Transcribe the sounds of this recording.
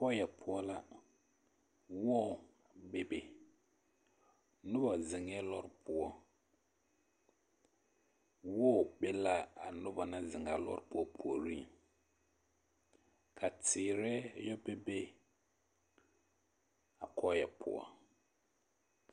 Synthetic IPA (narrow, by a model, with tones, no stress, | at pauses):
kɔ˦jɛ˨pʰʊ˦ɔ˦la˦ | wɔ˦˨ | be˦be˨ | nʊ˦ba˨zɪ˨ŋɛ˦lɔ˦ɾpʰʊ˦ɔ˦ | wɔ˦˨bɛ˦la˦a˨nʊ˦ba˨na˦zɪ˨ŋa˨˦lɔ̰˦ɾɪ˦pʊ˦ɔ˦pʰu˨o˨ɾi˦˨ | kʰa˨tɪː˨ɾɛ˦jɔ˦bɛ˦be˦ | a˨kʰɔ˦jɛ˨pʰʊ̰˨ɔ̰˦˨